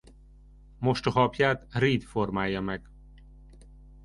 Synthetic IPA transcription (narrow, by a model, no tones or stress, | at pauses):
mo̞ʃt̪ɒɦɒpjaːt̪riːd̪formaːjːɒmɛɡ̥